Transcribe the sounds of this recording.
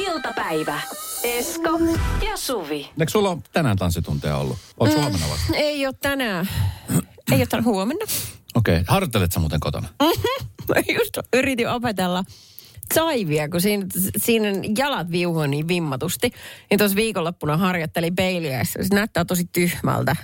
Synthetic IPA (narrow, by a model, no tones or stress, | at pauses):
ilt̪ɑpæiʋæeskojɑsuʋieˑksulːot̪ænænt̪ɑnsːit̪unt̪eɑ̰o̰lːṵolshuomenːɑ̰ʋɑ̰seioːt̪t̪ænæː | eijot̪ːænhuomenːɑokḛihɑrjot̪ːelet̪sæmṵːt̪eŋkot̪o̰nɑ | just̪yrit̪iopet̪elːɑ | sɑiʋiækusiːnsiːnjɑlɑt̪ʋiuhoːniːʋʋimːɑt̪ust̪init̪osʋiːkolːopːunɑhɑrjot̪ːelipeiliæ̰isæsenæyt̪ːæːt̪osit̪yhmæ̰lt̪æ